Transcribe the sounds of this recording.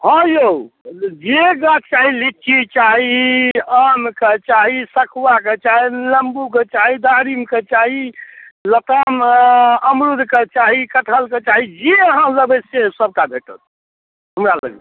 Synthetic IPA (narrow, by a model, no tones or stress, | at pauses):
ɦɔ̃jo | d͡ʒeɡat̪t͡ʃaɦilit͡ʃit͡ʃaɦiəmket͡ʃaɦisəkʰwaket͡ʃaɦiləmbuket͡ʃaɦid̪aɾimket͡ʃaɦilət̪əməmɾud̪ʱket͡ʃaɦikəʈʰəlket͡ʃaɦid͡ʒeəɦãləbesesəb̚kabʱeʈə̰t̪̚ | ɦəmɾalə̰ɡe